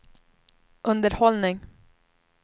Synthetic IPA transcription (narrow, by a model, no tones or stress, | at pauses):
ʔɵnd̪əɾhɔlnɪŋ